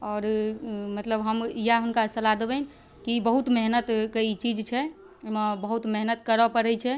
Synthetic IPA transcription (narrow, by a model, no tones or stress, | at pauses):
ɔːɾmət̪ləbɦəmijaɦunkasəlad̪ebɛn | kibəɦut̪meɦnət̪kəit͡ʃid͡ʒt͡ʃʰɛ | mebəɦut̪meɦnət̪kəɾəpəɾɛt͡ʃʰɛ